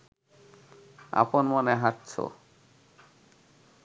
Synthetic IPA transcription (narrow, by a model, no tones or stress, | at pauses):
a̰ponmoneɦaʈt͡ɕʰo̰